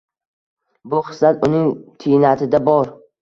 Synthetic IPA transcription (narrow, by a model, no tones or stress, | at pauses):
bʊχɨ̥slat̪ʊnɪŋt̪ʰɪnat̪ʰɪd̪abɒɾ